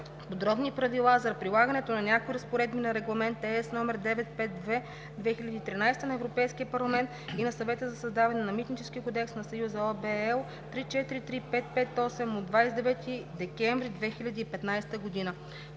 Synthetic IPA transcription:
pod̪ɾɔbnipɾɐvilˠazɐpɾilˠaɡənɛt̪onɐnʲakoiɾɐspoɾɛd̪̚binɐɾɛɡlˠɐmɛnt̪ɛɛsnɔmɛɾd̪ɛvɛt̪̚pɛt̪̚d̪vɛ | d̪vɛxilʲɐd̪iːt̪ɾinajst̪ənɐɛvɾopɛjsk̟iəpɐɾlˠɐmɛnt̪inɐsɐvɛt̪əzɐsɐzd̪avɐnɛnɐmit̪nit͡ʃɛsk̟iəkod̪ɛksnɐsɐjuzɐɔbɛɛlˠ | t̪ɾit͡ʃɛt̪iɾit̪ɾipɛt̪̚pɛt̪ɔsɛmod̪vajsd̪ɛvɛt̪ʰid̪ɛkʲɛɱvɾid̪vɛxilʲɐd̪iːpɛt̪najst̪əɡod̪inə

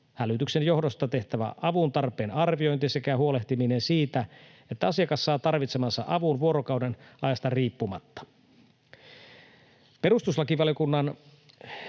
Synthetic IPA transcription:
hælyt̪yksenjo̞hdo̞st̪ɑt̪e̞ht̪æʋæ̰ʔɑʋunt̪ɑrpˑeːnɑrʋio̞jnt̪ise̞kæhuo̞le̞ht̪imine̞nsiːt̪æ | et̪ːæɑsiɑkɑsːɑːt̪ɑrʋit̪semɑsːɑ̰ʔɑʋunʋuo̞ɾokɑwdenɑjɑst̪ɑriːpːumɑ̰t̪ːɑ̥ | pe̞ɾust̪uslɑkiʋɑlijo̞kunːɑn

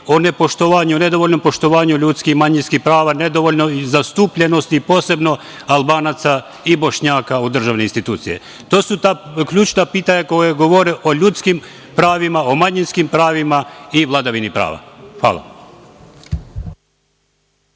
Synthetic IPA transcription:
onepo̞ʃt̪oʋaːɲuone̞d̪o̞ʋoʎno̞mpo̞ʃt̪oʋaːɲuʎut̪skixmaɲinskixpɾaːʋane̞d̪o̞ʋoʎnoizast̪uːpʎe̞no̞st̪ipo̞se̞bno̞ | alˠbaːnat̪sa | ibo̞ʃɲaːkaud̪r̩ʒaːʋneinst̪it̪uːt̪sije̞̰ | t̪o̞ːsut̪aːkʎuːt͡ʃnapiːt̪aɲakojeɡo̞ʋoɾeʔo̞ʎut̪skim | pɾaːʋimaomaɲinskimpɾaːʋimaiʋlˠad̪aʋinipɾa̰ːʋa̰hʋa̰ːlˠa̰

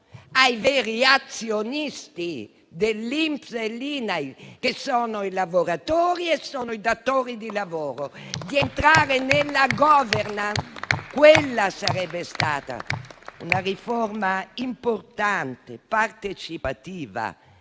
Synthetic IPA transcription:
ajveːɾiat̪sjonist̪i | d̪elːimpselːiːnajk̟esɔːnoilavoɾat̪ɔːɾiesːɔːnoid̪at̪ːoːɾid̪ilavɔːɾod̪ient̪ɾaːɾenelːaɡɔvɛɾnakwelːasaɾɛbːest̪aːt̪a̰unaɾifɔrmaimport̪ant̪ḛpart̪et͡ʃipat̪iːva̰

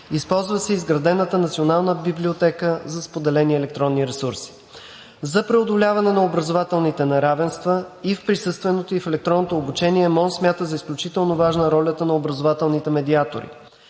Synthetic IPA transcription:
ispɔlˠzvəsɛizɡɾɐd̪ɛnət̪ənɐt̪sionalˠnəbibliot̪ɛkəzɐspod̪ɛlɛniɛlɛk̚t̪ɾɔnːiɾɛsuɾsi̥ | zɐpɾɛod̪olʲavɐnɛnɐobɾɐzovat̪ɛlˠnit̪ɛnɛɾavɛnst̪vəifpɾisɤst̪vɛnot̪oifɛlɛk̚t̪ɾɔnːot̪oːbut͡ʃɛniɛmɔnsmʲjat̪əzɐisklʲut͡ʃit̪ɛlˠnovaʒnəɾɔlʲət̪ənɐobɾɐzovat̪ɛlˠnit̪ɛmɛd̪iat̪o̰ɾḭ

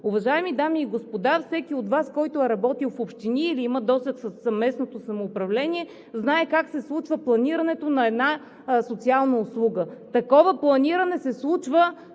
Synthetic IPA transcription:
ʊvɐʒaɛmid̪amiːɡospod̪afsɛkiot̪vaskɔjt̪oɛɾɐbɔt̪ilˠfopʃt̪iniːliiməd̪ɔst̪əksəsːɐvmɛsnot̪osɐmoːpɾɐvlɛniɛ | znaɛkaksɛslˠut͡ʃvəplˠɐniɾɐnɛt̪onɐɛd̪na | sot̪sialˠnəʊslˠuɡət̪ɐkɔvəplˠɐniɾənɛsɛslˠut͡ʃvə

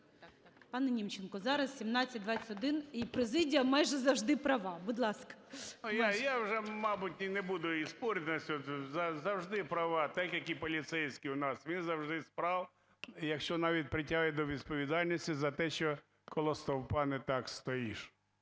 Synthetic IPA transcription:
pɑnɛnʲimt͡ʃenkɔzɑɾɐssʲimnɑt͡sʲːɐt̚ʲd̪ʋɑt͡sʲɛtʲɔd̪ɪnipɾezɪdʲijɐmɑjʒɛzɐwʒd̪ɪpɾɐʋɑbʊd̪lˠɑskɐ̥jajawʒɛmɑbʊtʲinebud̪ʊispɔɾʲt̪ʲnɐsʲɔt̪zɐzɐwʒd̪ɪpɾɐʋɑt̪ɛkjɐkipɔlʲit̪sɛjsʲkʲiʊnɑsʋʲinzɐwʒd̪ɪspɾɑw | jɐkʃt͡ʃɔnɑʋʲit̚ʲpɾɪtʲaɦɪd̪ɔʋʲid̪̚pɔʋʲid̪ɑlʲnʲisʲtʲizɐt̪ɛʃt͡ʃɔ | kɔlˠɔst̪ɔwpɑnɛt̪ɑkst̪ɔjiʃ

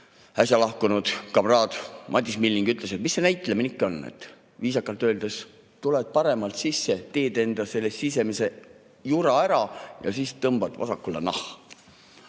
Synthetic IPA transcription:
æsʲjɑlɑhkunud̪̥kɑbrɑːd̪̥mʔɑt̪ːˑismilːiŋɡ̥yt̪ˑle̞se̞t̪misːenæjt̪ːˑleminikːo̞nːḛt̪ːˑ | viːsɑkːˑɑlt̪ːˑø̞ːld̪̥es | t̪uled̪̥̚pɑɾe̞mɑlt̪sisːe̞t̪e̞ːd̪e̞nd̪̥ɑse̞lːessise̞mise̞ | juɾɑæɾɑjɑ̰siːst̪ɤmb̥ɑd̪vɑ̰sɑkːˑulːɑ̰nɑ̰h

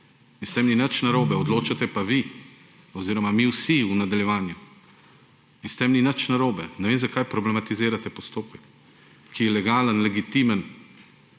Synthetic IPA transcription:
inst̪ɛmninət͡ʃnaɾoːbɛɔd̪loːt͡ʃat̪ɛpaʋi | ɔziːɾɔmamiwsiunad̪aljɛʋaːnju | inst̪ɛmninət͡ʃnaɾoːbɛnɛʋeːmzakaːjpɾɔblɛmat̪izeːɾat̪ɛpɔst̪oːpəkː | ijɛlɛɡaːlənlɛɡit̪imən

